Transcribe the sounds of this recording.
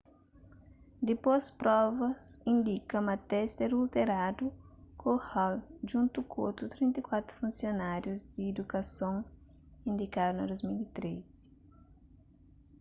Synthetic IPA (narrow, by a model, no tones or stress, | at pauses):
d̪epospɾɔvɐsĩnd̪ikɐmɐt̪ɛseɾult̪eɾad̪ukohalʒũnt̪ukʰot̪ɾut̪ɾĩnt̪ekwat̪ɾu̥fũnsjonaɾjuzd̪iːd̪ukɐsõŋ | ĩnd̪ikad̪unɐd̪ozmilit̪ɾes